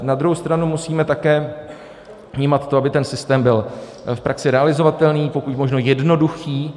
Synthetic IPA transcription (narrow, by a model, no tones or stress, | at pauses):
nad̪ɾuɦowst̪ɾanumusiːmɛt̪akɛː | vɲiːmat̪t̪ːoʔabɪt̪ɛnsɪst̪ɛːmbɪl | fpɾaksɪɾɛalɪzo̞vat̪ɛlniːpo̞kucmo̞ʒno̞jɛdno̞duxiː